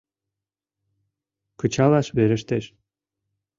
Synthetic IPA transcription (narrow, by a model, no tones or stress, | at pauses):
kət͡ɕɑlɑʃβeɾəʃt̪eʃ